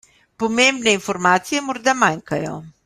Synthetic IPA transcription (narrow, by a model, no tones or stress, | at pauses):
pomembneinfɔɾmaːt̪sijɛmɔɾd̪amaŋkajɔ̰